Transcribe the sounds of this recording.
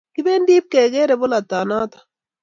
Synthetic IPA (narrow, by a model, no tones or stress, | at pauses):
kibeːndiːp̚keːɡeɾebolat̪ːaːnaːt̪ḁ